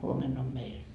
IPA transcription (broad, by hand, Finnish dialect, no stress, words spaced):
huomen om meil